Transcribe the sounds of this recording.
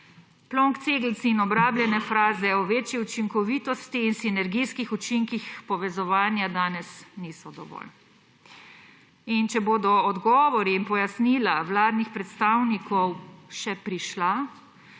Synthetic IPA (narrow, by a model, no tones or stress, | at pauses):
plɔŋkt̪seːɡlt̪siːnɔbɾaːblʲjɛnɛfɾaːzɛɔʋeːt͡ʃiut͡ʃiŋkɔʋiːt̪ɔst̪iːnsinɛɾɡijskixut͡ʃiŋkixpɔʋɛzɔʋaːnjad̪aːnɛsniːsɔd̪ɔʋɔ̰ːl | int͡ʃɛboːd̪ɔɔd̪ɡɔːʋɔɾiːnpɔjasniːlawlaːd̪nixpɾɛt̪st̪aːwnikʰɔwʃɛpɾiʃla